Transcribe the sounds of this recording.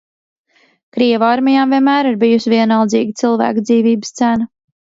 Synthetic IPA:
kɾiɛvaɾmijaːmvʲiɛnmæːɾiɾbijusiviɛnalˠd̪ziːɡʲit̪silˠvæ̰ːkd̪ziːviːbəst̪sæna

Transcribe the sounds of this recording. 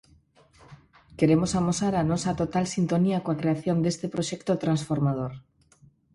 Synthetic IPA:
ke̞ɾemosamosaɾanosat̪ot̪alsint̪o̞niakoakɾeaθjo̞nd̪e̞st̪epɾoʃekt̪ot̪ɾansfoɾmað̞oɾ

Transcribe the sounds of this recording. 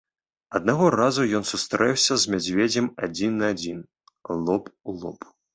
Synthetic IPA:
ɐd̪̚naɣɔrazujɔnsust̪ɾɛwsʲɐzmʲad͡zʲvʲɛd͡zʲɐmad͡zʲinːɐad͡zʲin | lˠɔpulˠɔp

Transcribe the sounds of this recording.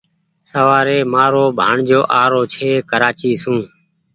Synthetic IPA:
səʋaːɾeːmaːɾoːbʱa̰ːɳd͡ʒoːʔaːɾoːt͡ʃʰeːkəɾaːt͡ʃiːsũː

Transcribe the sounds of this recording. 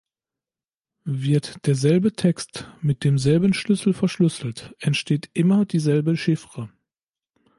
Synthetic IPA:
vɪɐtd̥eːɐzɛlbətʰɛkstmɪt̚d̥eːmzɛlbənʃlʏsl̩fɛɐʃlʏsl̩tʔɛntʃteːtʔɪmɐdiːzɛlbəʃɪfʁə

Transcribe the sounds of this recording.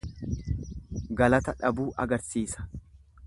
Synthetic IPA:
ɡɐlɐt̪ɐᶑɐbuːʔɐ̰ɡɐɾsiːsɐ̥

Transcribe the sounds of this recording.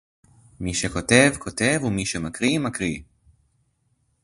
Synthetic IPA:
miʃeko̞te̞vkʰo̞te̞vumiʃemakʁimakʁi

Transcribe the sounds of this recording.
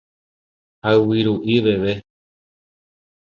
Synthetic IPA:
haɨwiɾuʔiʋe̞ʋe

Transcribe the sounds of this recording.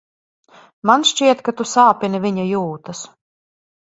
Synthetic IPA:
manʃt͡ʃiɛt̪kat̪usaːpʲiniviɲajuːt̪ɐs

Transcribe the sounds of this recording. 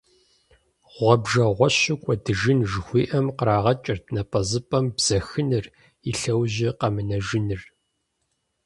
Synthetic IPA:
ʁʷɔbʒɐʁʷɔɕɪkʷʼɔdɨʒɪnʒɨxʷiːʔɐmqəɾaːʁɐt͡ʃʼɐrtʰnɐpʼɐzɨpʼɐmbz̥ɐxɨnɨr | iɬɐwʑɪqɐmɨnɐʒɪnɨr

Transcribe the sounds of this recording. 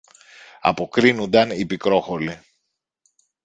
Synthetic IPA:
ɐ̰po̞kɾinund̪ɐnipikɾo̞xo̞li

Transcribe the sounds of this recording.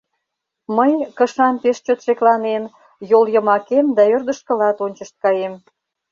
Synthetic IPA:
məjkə̆ʃɑnpeʃt͡ɕøt̪ʃeklɑnen | joljə̆mɑkemd̪ɑørd̪ə̆ʃkə̆lɑt̪onʲt͡ɕəʃt̪̚kɑjem

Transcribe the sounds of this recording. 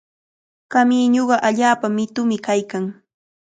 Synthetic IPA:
kamiːɲoɢɑʔaʎaːpamɪt̪ʊmɪkajkaŋ

